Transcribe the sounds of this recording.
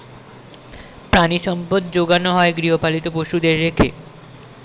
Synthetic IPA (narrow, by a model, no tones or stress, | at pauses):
pɾaniʃɔmpod̪̚d͡ʑoɡanoɦɔeɡɾiɦopalit̪opoʃud̪eɾːekʰe